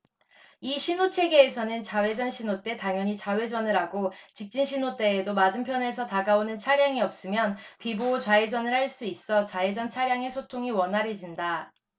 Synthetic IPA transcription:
iɕʰinot͡ɕʰe̞ɡeːsʰʌnɯnt͡ɕawe̞d͡ʑʌnɕʰinot͈e̞taŋjʌɲit͡ɕawe̞d͡ʑʌnɯɾaɡot͡ɕik̚t͡ɕ͈inɕʰinot͈e̞ːdomad͡ʑɯmpʰjʌne̞sʰʌtaɡaonɯnt͡ɕʰaɾjaŋiʌp̚s͈ɯmjʌnpibot͡ɕwaed͡ʑʌnɯɭhaɭs͈uis͈ʌt͡ɕaed͡ʑʌnt͡ɕʰaɾjaŋe̞sʰotʰoŋiwʌnɦaɾed͡ʑinda

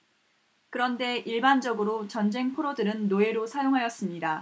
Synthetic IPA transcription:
kɯɾʌnde̞ʔiɭband͡ʑʌɡɯɾot͡ɕʌnd͡ʑe̞ŋpʰoɾodɯɾɯnːoe̞ɾosʰajoŋɦajʌs͈ɯmɲida

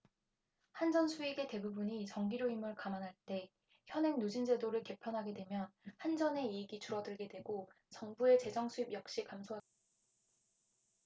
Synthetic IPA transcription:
hand͡ʑʌnsʰuiɡe̞te̞bubuɲit͡ɕʌŋɡiɾjoimɯɭkamanɦaɭt͈e̞ | çjʌnɦe̞ŋnud͡ʑind͡ʑe̞doɾɯɭke̞pʰjʌnɦaɡe̞dwe̞mjʌnhand͡ʑʌne̞iːɡit͡ɕuɾʌdɯɭɡe̞dwe̞ɡo | t͡ɕʌŋbue̞t͡ɕe̞d͡ʑʌŋsʰuib̚jʌk̚ɕ͈ikamsʰoɦa

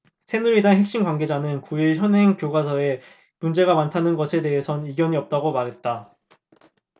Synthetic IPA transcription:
sʰe̞nuɾidaŋɦe̞k̚ɕ͈inɡwaŋɡe̞d͡ʑanɯnkuiɭçjʌnɦe̞ŋkjoɡwasʰʌe | mund͡ʑe̞ɡamantʰanɯnɡʌsʰe̞de̞ɦe̞sʰʌniɡjʌɲiʌp̚t͈aɡomaɾɦe̞t̚t͈a

